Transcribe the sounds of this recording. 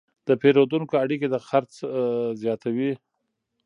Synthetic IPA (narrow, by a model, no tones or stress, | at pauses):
d̪̥əpeɾod̪unkoaɽiked̪əxaɾt͡szjɑt̪awi